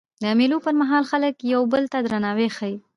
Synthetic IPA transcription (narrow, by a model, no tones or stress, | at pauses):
d̪əamelopəɾmaɦɑlxaləkjawbəlt̪ad̪ɾanɑwexaji